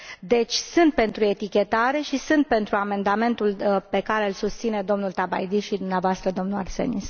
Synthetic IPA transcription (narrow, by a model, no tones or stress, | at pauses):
d̪e̞t͡ʃʲsɨnt̪̚pe̞nt̪ɾue̞t̪ikʲe̞t̪aɾe̞ʃisɨnt̪̚pe̞nt̪ɾuame̞nd̪ame̞nt̪ulpe̞kaɾe̞ɨlsust̪sine̞d̪o̞mnult̪aba̰jd̪iʃid̪umneavoast̪ɾəd̪o̞mnuarse̞̰nis